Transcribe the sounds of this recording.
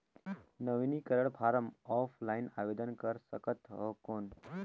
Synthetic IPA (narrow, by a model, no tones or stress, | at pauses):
nəʋinikəɾəɽpʰaɾəmɔpʰlainaʋed̪ənkəɾsəkət̪ʰɦokon